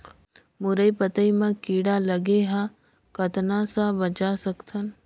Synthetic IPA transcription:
mʊɾəipət̪əimãkiːɽalɐɡeɦã | kɐt̪nasabɐd͡ʒasɐkt̪ʰən

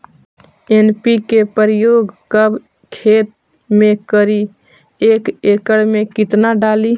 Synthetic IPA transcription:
enpikepəɾjoɡkəb | kʰet̪̚ | mekəɾi | ekekəɽmekit̪naɖali

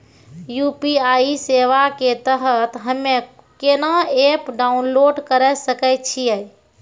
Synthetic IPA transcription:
jupiaiseʋaket̪əɦət̪ɦəmːe | kenaepɖaunloɖkəɾɛsəkɛt͡ʃʰijəj

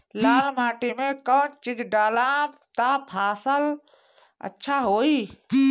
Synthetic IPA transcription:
laːlmaːʈimekəːnt͡ʃid͡ʒʱɖaːlat̪apʰaːsəl | ə̰tːʃʰaɦoi

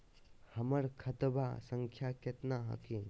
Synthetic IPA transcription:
hɐmɐɾkʰɐt̪bʱa̰sɐŋkʰjakɐt̪naɦɐ̰kʰiŋ

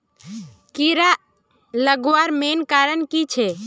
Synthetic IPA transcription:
kiɾa | ləɡʋaɾmenkaɾənkit͡ʃʰe

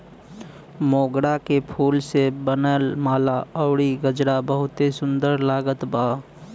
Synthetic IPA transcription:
moːɡɽakepʰuːlsebənəlmaːlaəʊɽiɡəd͡ʒɾabəɦʊt̪esʊ̃nd̪əɾlaːɡət̪baː

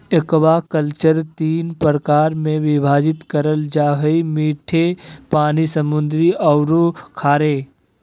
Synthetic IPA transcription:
ekwakəlt͡ʃəɾt̪iːnpɾəkaːɾmẽʋɪbʱaːd͡ʒɪt̪kəɾəld͡ʒaːɦəimiːʈʰepaːnisəmʊnd̪ɾiɔʊɾokʰaːɾeː

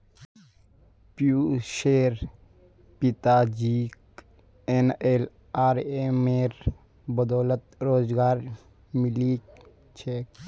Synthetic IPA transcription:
pjuːʃeːɾ | pit̪aːd͡ʒiːk | eneːl | aːɾemeːɾ | bəd̪oːlət̪ɾoːzɡaːɾ | mɪli | t͡ʃʰe

